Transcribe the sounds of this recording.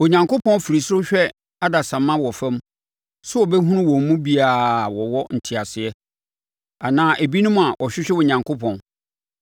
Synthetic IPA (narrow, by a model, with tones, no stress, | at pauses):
o˨ɲã˨ŋkʰo˦pʰɔ̃˦n˦fi˨ɾi˨sʊ˦ɕᶣɛ˦ | a˦da˨sã˨mːã˦wɔ˨fɛ̃˦m | sʊ˦ɔ˨bɛ˦ɦũ˦nʊ̃˦wɔ̃˨m˦mũ˦bi˦a˨wɔ˨wɔ˦n̩˨tʰi˨a˨sɪ˨ɛ˦ | a˨nãː˦ʔæ˨bi˦nũ˦m̃˦a˨ʔɔ˨ɕᶣɪ˦ɕᶣɛ˦wʊ˨ɲã˨ŋkʰo˦pʰɔ̃˨n